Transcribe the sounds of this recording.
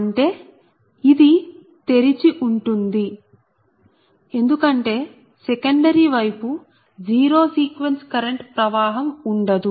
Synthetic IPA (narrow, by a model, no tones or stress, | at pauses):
ɐɳʈe̞ː | id̪i | t̪e̞ɾit͡ʃiʔuɳʈund̪i | e̞nd̪ukɐɳʈe̞ː | sekɐɳɖɐɾiːʋɐjpu | d͡ʒiːɾo̞ːsiːkʋenskɐɾeɳʈpɾɐʋaːɦɐmuɳɖɐd̪u